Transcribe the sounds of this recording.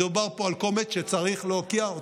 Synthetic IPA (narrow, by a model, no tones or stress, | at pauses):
ubaʁpoalkomet͡sʃet͡saʁiχlokiao